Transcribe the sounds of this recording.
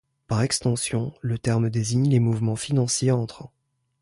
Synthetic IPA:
paʁɛkst̪ɑ̃sjɔ̃lət̪ɛʁmd̪eziɲlemuvmɑ̃finɑ̃sjeɑ̃t̪χɑ̃

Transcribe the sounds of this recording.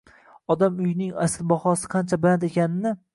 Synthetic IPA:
ɒd̪amʊjɪnɪŋa̰sɪlbɒχɒsɪ̥qʰɑnt͡ʃʰabɪand̪ekʲanɪnɪ

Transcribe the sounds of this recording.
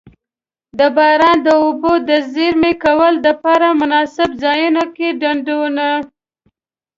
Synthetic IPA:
d̪əbɑɾɑnd̪əobod̪əzeɾmekawəld̪əpɑɾamʊnɑsɪbzɑjunokeɖaɳɖona

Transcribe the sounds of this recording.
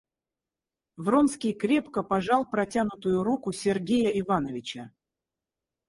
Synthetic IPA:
vronskʲɪjkɾʲe̞pkəpɐʐɑlˠpɾɐtʲanʊt̪ʊjʊɾukʊsʲɪrɡʲejəɪvanəvʲɪt͡ɕə

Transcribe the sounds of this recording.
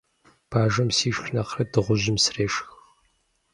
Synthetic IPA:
b̥ʰaːʒɐmsiːʃxnɐqrɐdɨʁʷʊʑɪmsreːʃxx

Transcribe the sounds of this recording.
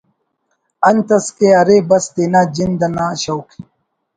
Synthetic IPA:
ɐnt̪ɐskeɐɾebɐst̪enaːd͡ʑind̪ɐnaːɕɐwkʰe̥

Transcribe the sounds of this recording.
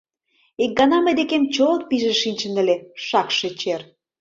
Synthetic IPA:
ik̚ɡɑnɑməjd̪ekemt͡ɕolɤk̚piʒĕʃinʲt͡ɕə̆nə̆lʲeʃɑkʃĕt͡ɕer

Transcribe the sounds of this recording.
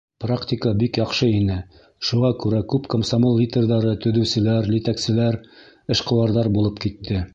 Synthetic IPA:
praktʲikəbikjɑqʃɤinɘ | ʃuʁɑkʉɾækʉpkomsɐmolʲˠːit̪ʲerðɑɾɤt̪ɵ̆ðɵ̆wsɘ̆læɾlit̪æksɘ̆læɾ | ɘ̆ʃqɤ̆wɑɾðɑɾbulˠɤpkit̪ːɘ

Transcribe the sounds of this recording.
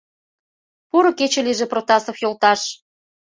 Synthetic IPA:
puɾŏket͡ɕĕliʒĕprot̪ɑsofjolt̪ɑʃ

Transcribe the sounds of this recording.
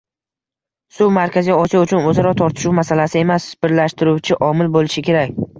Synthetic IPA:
sʊwmaɾkʲʰazijɒsijaʊt͡ʃʰʊnɵzaɾɒt̪ʰɒɾt̪ʰɪ̥ʃuwmasalasɪe̞masbɪɾlaʃt̪ɪɾuwt͡ʃʰɪʔɒmɪlbolɪʃɪkʲʰe̞ɾakʲ

